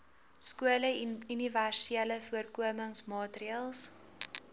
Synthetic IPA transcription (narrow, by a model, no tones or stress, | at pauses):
skuələyniværsiələfuərkuəməŋsmɑːtɾiəlˠs